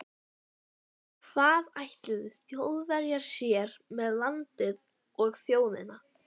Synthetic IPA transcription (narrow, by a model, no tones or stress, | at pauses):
kvaːðajht̪lɪðɪθjowðvɛɾjaɾ̥sjɛːɾmɛðlant̪ɪð | ɔɣθjoːwðɪ̰na